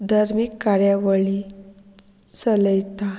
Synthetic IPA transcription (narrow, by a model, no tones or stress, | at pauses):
d̪ʱaɾmikːaɾjaʋəɭi | t͡sələjt̪a